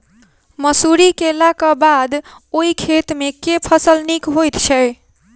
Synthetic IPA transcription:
məsuɾikelakabad̪ | oikʰet̪mekepʰʌsəlnikɦojt̪t͡ʃʰʌj

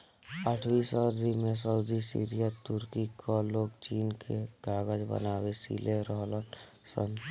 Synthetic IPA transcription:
əʈʰwiːsəɾd̪imẽs̬əud̪isḭːɾijət̪ʊɾkikʰoloːɡt͡ʃiːnkʰeɡ̥aːɡəd͡ʒbə̰naːwesḭːleɾəɦlən | sə̰n

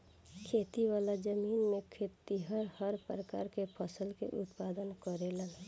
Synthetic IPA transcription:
kʰet̪iwalad͡ʒəminmekʰet̪iɦəɾhəɾpɾəka̰ɾkepʰəsəlkḛʔʊ̰t̪pad̪ənkəɾelən

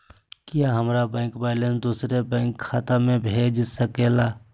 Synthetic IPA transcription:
kijaɦəmɾabɛ̃ːŋkbaːlẽnsd̪uːsɾebɛ̃ːŋkʰːaːt̪amẽbʱed͡ʒsəkelaː

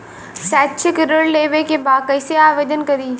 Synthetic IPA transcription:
sɛːtːʃʰɪkɪɾəɽleːʋekebaːkɐɪseaːʋeːd̪ənkɐɾiː

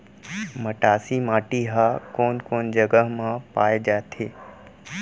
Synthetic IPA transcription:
mɐʈaːsimaːʈiɦaːkoːnkoːnd͡ʒəɡəɦmãpaːed͡ʒaːt̪ʰeː

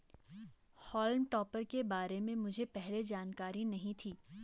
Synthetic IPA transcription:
hɔːlmʈɔːpəɾkebaːɾemẽmʊd͡ʒʱepɛɦled͡ʒaːnkaːɾinɐɦĩt̪ʰiː

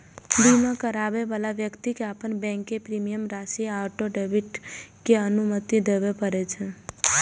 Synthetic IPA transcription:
b̪imãkəɾaʋeʋalaʋjəkt̪ikeapəɳbɛ̃ŋkepɾimijəmɾasiaɾʈoɖebiʈkeənumət̪id̪eʋepəɾet͡ʃʰe

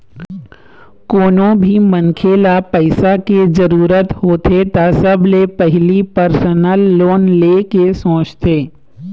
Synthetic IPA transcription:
koːnõbʱimənkʰeːlapɛɪsaked͡ʒəɾuːɾət̪hoːt̪ʰet̪asɐblepɛɦɪlipəɾsənəlːoːnleːkesõːt͡ʃt̪eː

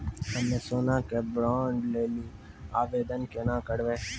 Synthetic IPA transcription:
həmeːsoːnãːkebɾaːɳɖleːliː | aːʋeːd̪ənkenãːkəɽʋeː

